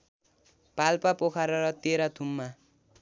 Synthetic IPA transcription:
palpapokʰaɾʌɾʌt̪eɾat̪ʰumːa

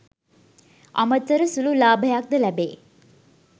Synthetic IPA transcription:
ʔɐ̰mɐt̪ːɐɾɐsululaːbʱɐjaːk̚d̪ɐlæbḛː

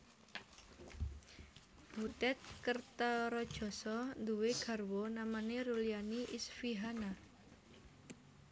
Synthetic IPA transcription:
b̥ut̪ɛt̪̚kərt̪ɔɾɔd̥ʒ̥ɔ̤sɔnd̪uweɡ̥a̤rwɔnamaneɾulianiʔisfiɦana

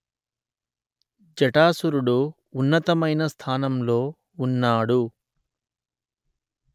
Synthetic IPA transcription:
d͡ʒɐʈaːsuɾuɽuː | nːɐt̪ɐmɐjnɐst̪ʰaːnɐmlo̞ː | unːaːɽu

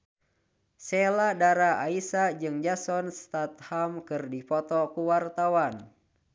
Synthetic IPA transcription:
sɛladaɾaaisad͡ʒɨŋd͡ʒasɔnst̪at̪̚hamkɨrdipɔt̪ɔkuwart̪awan

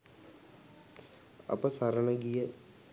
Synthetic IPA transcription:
ɐ̰pəsɐɾənəɡijə

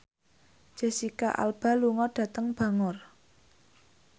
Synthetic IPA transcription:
ʒ̥ɛ̤sikaʔa̰lb̥ä̤luŋɔɖ̥ä̤t̪əŋb̥ä̤ŋʊr

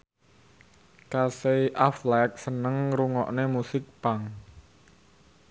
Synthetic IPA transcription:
kaseiʔaflɛk̚sənəŋɾuŋɔ̰ʔnemusɪk̚paŋ

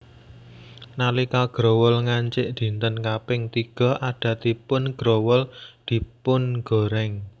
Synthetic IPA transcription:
nalikaɡ̥ɾowəlŋaɲt͡ʃɪʔd̪̥i̤nt̪ənkapɪŋt̪iɡ̥ɔ̤aɖ̥ä̤t̪ipʊnɡ̥ɾowəld̪̥i̤pʊnɡ̥o̤ɾɛŋ

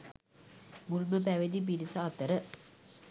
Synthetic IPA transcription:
mulməpæʋed̪ip̬iɾisaːt̪əɾə

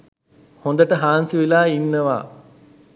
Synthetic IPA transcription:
hond̪əʈəɦaːnsiʋilaːinːəʋa̰ː

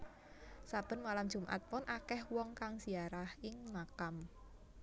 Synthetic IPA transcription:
sab̥ə̤nmalamd̥ʒ̥ṳmʔa̰t̪̚wɔnʔakɛhwɔŋkaŋsiaɾahɪŋmakam

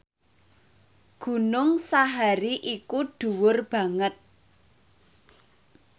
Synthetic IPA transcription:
ɡ̥ṳnʊŋsaɦaɾiʔikuɖ̥ṳwʊrb̥ä̤ŋət̪̚

